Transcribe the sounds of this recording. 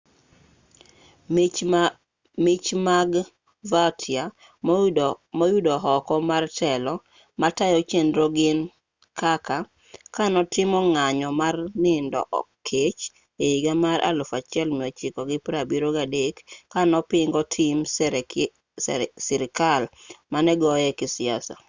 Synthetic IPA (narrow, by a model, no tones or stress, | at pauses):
mɪt͡ʃmaɡ | vatʰja | mɔjudɔɦɔkɔmartʰɛlɔ | matajɔt͡ʃendɾoɡɪn | kʰaka | kanɔtɪmɔŋaɲɔmarnɪndɔ̰ʔɔ̰ | et͡ʃ | eiɡamaɾʔa̰lʊfat͡ʃɛlmiɔt͡ʃɪkɔɡɪpɾabiɾoɡadekːanɔpɪŋɡɔtʰim | sɪɾɪkalmanɛɡɔjɛkɪsɪasa̰